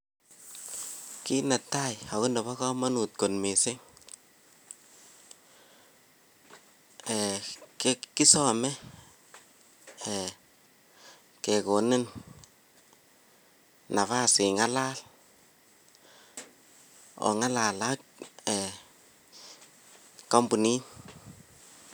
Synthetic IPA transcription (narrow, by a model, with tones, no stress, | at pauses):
ki˦na˨tːa˦ja˨wʊ˦ndɔ˨βa˦kɔ˦ma˦nu˨t̚ko˨nme˨sɪ˦ŋ | ɛ˨keki˦sɔ˦mɛ˦ | ɛ | kɛ˨ko˨ne˦n | na˨βa˦sɪ˨ŋa˦la˦l | ɔ̰˨ŋa˦la˨la˦k̚ɛ | ka˦mbu˨ni˦n